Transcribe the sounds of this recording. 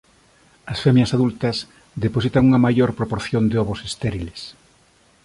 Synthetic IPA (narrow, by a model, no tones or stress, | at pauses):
ɐsfɛmjɐsaðult̪ɐs | ðeposit̪ɐŋuŋɐmajoɾpɾopoɾθjond̪eɔβosest̪eɾiles